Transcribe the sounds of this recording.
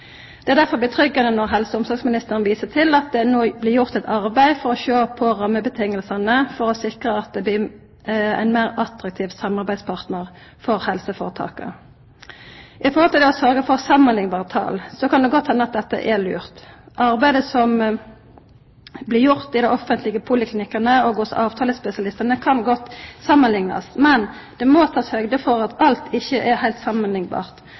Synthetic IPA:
d̪̥ɛæːʁd̪æʁfɔblɪt̪ʰʁʏɡːɑnənɔʁɦɛlsəʊmsɔɾɡsmɪnɪst̪əʁənʋiːsət̪ʰɪlɑt̪̚d̪ɛnoːblɪːɾjʊʁt̪ɛt̪ɑʁbæɪfɔʁɔʃoːpʰɔʁɑmːəbət̪ʰɪŋːəlsənəfɔʁɔsɪkʁəɑt̪̚d̪ɛb̪ɪ | æ̰ɪnmæɪʁɑt̪ɾɑk̚t̪ʰiːʋsɑmɑʁbæɪd̪spʰɑʁt̪nəʁ | fɔʁhɛlsəfo̰ːʁət̪ʰɑ̰ːkə̰ | ʔɪfɔhɔlt̪ʰɪlɔsœɾɡəfɔʁsɑmənlɪŋbɑːʁət̪ʰɑ̰ːlsɔkɑnd̪ɛɡɔt̪ːhɛnːəɑt̪̚d̪ɛt̪ːə̰ʔɛly̰ːʁt̪ʔɑʁbæɪd̪əsɔm | blɪɾjʊʁt̪ɪd̪æʔɔfənt̪lɪɡəpʰʊlɪkʰlɪnɪkːənəɔɡosʔɑːʋt̪ʰɑːləspɛsɪɑlɪst̪ənəkʰɑnɡɔt̪ːsɑmːənlɪŋnɑ̰smɛnd̪̥ɛmot̪ʰɑːshœɡd̪əfɔʁɑt̪ʰɑlt̪ʰɪçːəʔɛhæɪlt̪sɑmənlɪŋbɑ̰ːʁt̪

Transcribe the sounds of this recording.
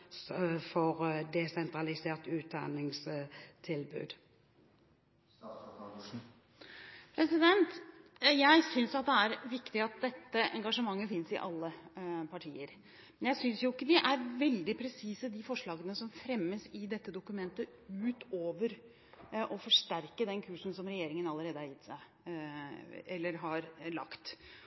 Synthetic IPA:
fɔʁd̪ɛsɛnt̪ɾɑlɪseːʁt̪ʉːt̪̚d̪ɑ̰nɪŋst̪ʰɪlbʉ̰ːd̪ | pʰɾɛsɪd̪ɛnt̪jæɪsʏnsɑt̪̚d̪ɛæɾʋɪkt̪ɪɑt̪̚d̪ɛt̪ːəɛ̰ŋɡɑʂəmɑŋːəfɪnsɪ̰ʔɑlːəpʰɑʈʰḭːəɾ | mɛnjæɪsʏnsjʊɪkːəd̪ɪʔæɾʋɛld̪ɪpʰɾɛsiːsəd̪ɪfɔʂɭɑːɡənəsɔmfɾɛmːəsɪd̪ɛt̪ːəd̪ʊkʉmɛnt̪əʉːt̪oːʋəɾ | ʔɔfɔʂʈæɾkəd̪ɛnkʰʉːʂn̩sɔmɾɛjeːɾɪŋənɑləɾeːd̪əhɑɾjɪt̪sæɪ | ɛlːəɾɦɑɾlɑ̰kt̪

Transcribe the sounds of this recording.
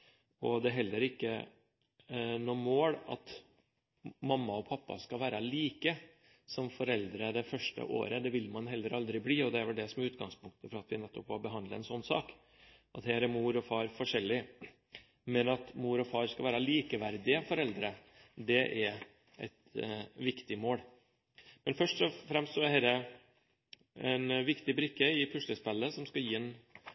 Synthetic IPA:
ɔd̪ɛɦɛlːəɾɪkːə | nɔːmoːlɑ̰t̪ | mɑmːɑɔpʰɑpːɑ̰skɑʋæːɾɑliːkə | sɔmfɔɾɛld̪ɾəd̪ɛfœʂʈə̰ʔo̰ːɾəd̪ɛʋɪlmɑnɦɛlːəɾɑld̪ɾɪbliːɔd̪ɛæɾʋɛld̪ɛsɔmɛʉːt̪ɡɑŋspʊŋk̚t̪ə̥fɾɑɑt̪ʋɪnɛt̪ːɔpʋɑbəɦɑnd̪ləɛnsɔnːsɑːk | ʔɑt̪hɛɾɛɾmuːɾɔfɑːɾfɔʂɛlːɪ | mɛnɑt̪muːɾɔfɑːɾskɑʋæːɾɑliːkəʋæɾd̪ɪəfɔɾɛld̪ɾə | d̪ɛʔɛɾ | ʔɛ̰t̪ʋɪkt̪ɪmoːɽ | mɛnfœʂʈɔfɾɛmst̪sɔɛhɛːɾɛ | ɛnʋɪkt̪ɪbɾɪkːəɪpʰʉʂləspɛlːəsɔmskɑjiːɛn

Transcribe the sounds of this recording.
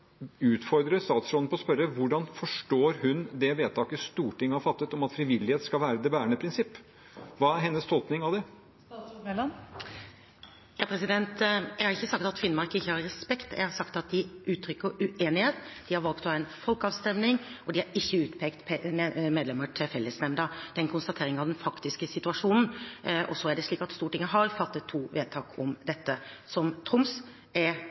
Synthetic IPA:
ʉːt̪fɔɾd̪ɾəst̪ɑːt̪sɾɔnpʰɔɔspœɾəʋʊɖɑnfɔʂʈoːɾhʉnd̪ɛʋeːt̪ʰɑːkəst̪uːʈʰɪŋːəhɑɾfɑt̪ːət̪ɔmɑt̪fɾɪʋɪlːɪheːt̪skɑlʋæːɾəd̪ɛbæːɾəɳəpʰɾɪnsɪpː | ʋɑːæɾɦɛnːəst̪ʰɔlpnɪŋɑʋd̪ɛ | jɑːpʰɾɛsɪd̪ɛnt̪jɛɪhɑɾɪçːəsɑk̚t̪ɑt̪fɪnːmɑɾkəɪçːəhɑɾɾɛspɛkt̪jɛ̰ɡhɑɾsɑkt̪ɑt̪̚d̪ɪʔʉːt̪ʰːɾʏkːəʉʔeːnɪheːt̪d̪̥ɪhɑɾʋɑlkt̪ɔhɑːæɪnfɔlkɑːʋst̪ɛmnɪŋɔd̪ɪhɑɾɪçːəʉːt̪pʰeːkt̪pmeːd̪lɛməʈʰɪlfɛlːəsnɛmd̪əd̪̥ɛɛnkʰʊnst̪ɑt̪ʰeːɾɪŋɑʋd̪ɛnfɑkt̪ɪskəsɪt̪ʉɑʂuːnn̩ɔsɔæɖɛʂɭiːkɑt̪st̪uːʈɪŋːəɦɑɾfɑt̪ːət̪ʰːuːʋeːd̪̚t̪ʰɑːkʰɔmd̪ɛt̪ːəsɔmt̪ʰɾʊms | ɛɾ

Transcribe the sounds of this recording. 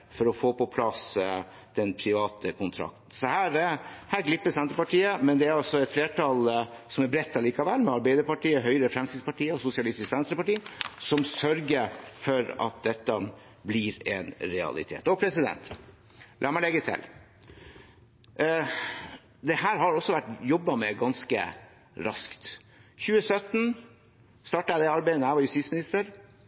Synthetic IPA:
fɔɾɔfoːpɔpʰlɑs | d̪̥ɛnpʰɾɪʋɑːt̪ʰəkʊnt̪ʰɾɑ̰k̚t̪n̩sɔhæːɾhæːɾɡlɪpːəsɛnt̪əpɑʈiːəmɛnd̪ɛæɾɑsɔɛt̪fleːʈʰɑːlsɔmæɾbɾɛt̪ːɑliːkɑʋɛlːmɛɑɾbæɪd̪əɾpɑʈiːəɦœʏɾəfɾɛmst̪ɪspɑʈiːəɔsʊsɪɑlɪst̪ɪskʋɛnsɾəpɑʈiːsɔmsœɾɡəfɔɾɑ̰t̪̚d̪ɛt̪ːə | blɪɾɛ̰nɾɛɑ̰lɪ̰t̪ʰḛːt̪ɔpʰɾɛsɪd̪ɛ̰nt̪ | lʔæːɾmæɪlɛɡːət̪ʰɪ̰l | d̪ɛhæːɾɦɑɾɔsːɔʋæʈːjɔbːɑmɛɡɑnskə̰ | ɾɑ̰skt̪ | çʉːəsœt̪ːn̩ | st̪ɑːʈɑæd̪ɛɑɾbæɪənəæɪʋɑɾjʉst̪iːtsmɪnɪst̪əɾ

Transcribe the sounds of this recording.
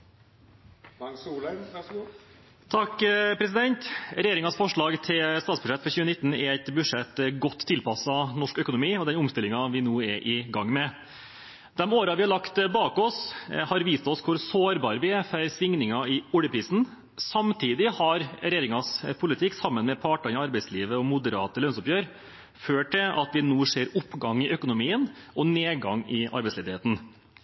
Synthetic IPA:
t̪ʰɑkːpʰɾɛs̬ɪd̪ɛnt̪ɾɛjeːɾɪŋɑsfɔʂɭɑːɡt̪ʰɪlst̪ɑːsb̥ʉʂɛt̪ːfɔɾçʉːənɪt̪ːn̩ɛɾæɪt̪bʉʂɛt̪ːɡɔt̪ʰːɪlpɑsɑnɔʂkœkʊnʊmiːɔd̪ɛnʊmst̪ɪlɪŋɑʋɪnuːɛɾʔɪɡɑŋːmɛ | d̪̥ɛmoːɾɑʋɪhɑɭɑkt̪bɑːkɔshɑɾʋiːst̪ɔskʰʊɾsoːɾbɑːɾəʋɪæfœɾsʋɪŋnɪŋɑɪʊɽəpʰɾiːsn̩ | sɑmt̪ʰiːd̪ɪhɑɾɾɛjeːɾɪŋɑspʰʊlɪt̪ʰɪkːsɑmːənmɛpʰɑːʈɑɪɑɾbɛɪsliːʋəɔmʊd̪əɾɑːt̪əlœnsʊpjøːɾ | føːʈʰːɪlʔɑ̰t̪ʋɪnuːseːɾʊpːɡɑŋɪʔœkʊnʊmiːənʔɔneːɡɑŋɪʔɑ̰ɾbɛɪsleːd̪ɪheːt̪n̩

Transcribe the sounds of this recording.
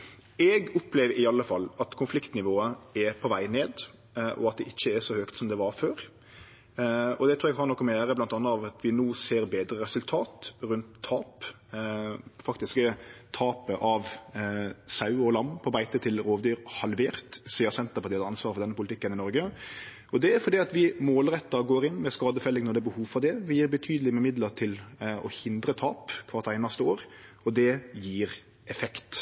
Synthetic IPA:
ɛɡɔpleːʋɪɑlːəfɑlːɑt̪kʰʊnflɪkt̪nɪʋoːəɛpʰɔʋæɪneːd̪ | ʔɔ̰ɑt̪̚d̪ɛʔɪçːəɛʂɔhøːkt̪sɔmd̪ɛʋɑɾføːɾ | ɔd̪ɛt̪ʰɾuːɾɛɡɦɑɾnɔkːɔmɛjæːɾəblɑnt̪ɑnːəɑʋɑt̪ʰʋɪnoːseːɾbeːd̪ɾəɾɛsʉlt̪ʰɑːt̪ɾʉnt̪ʰːɑːp | fɑkt̪ɪskət̪ʰɑːpəʔɑʋ | sɑʉɔlɑmːpʰɔbæɪt̪ət̪ʰɪlɾoːʋd̪yːɾhɑlʋeːɾt̪siːəsɛnt̪əɾpɑɾɪːɑd̪ɑnsʋɑːɾəfɔɾd̪ɛnːəpʊlɪt̪ɪkːənɪnɔɾɡə | ɔd̪ɛæɾfɔɾd̪iːɑt̪ʋɪmoːlɾɛt̪ːɑɡoːɾɪnmɛskɑːd̪əfɛlɪŋnɔɾd̪ɛːbəhuːʋfɔɾd̪ɛʋɪjiːɾbət̪ʰyːd̪lɪmɛmɪd̪lət̪ʰɪlɔhɪnd̪ɾət̪ʰɑːpkʰʋɑɾt̪æɪnɑst̪əoːɾ | ɔd̪ɛjiːɾ | ɛfɛkt̪

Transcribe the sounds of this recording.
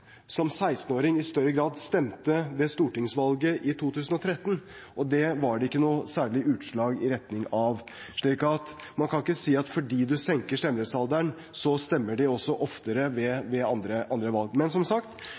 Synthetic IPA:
sɔmsæɪst̪noːɾɪŋɪst̪œɾːəɡɾɑːd̪st̪ɛmt̪əʋɛst̪uːʈɪŋsʋɑlɡəʔɪt̪ʰuːt̪ʰʉːsən̩ɔt̪ʰɾɛt̪ːən | ʔɔd̪ɛʋɑɖɛɪkːənuːsæːɭɪʔʉːt̪ʂɭɑːɡɪɾɛt̪nɪŋɑʋ | ʂɭiːkɑt̪ | mɑnkʰɑnɪkːəsiːɑt̪fɔɖiːd̪ʉsɛŋkəʂʈ̪ɛmɾɛt̪sɑld̪æɳ | sɔst̪ɛmːəɖɪɔsːɔʔɔft̪əɾəʋɛʋɛɑnd̪ɾəʔɑnd̪ɾəʋɑlɡmɛnsɔmsɑkt̪

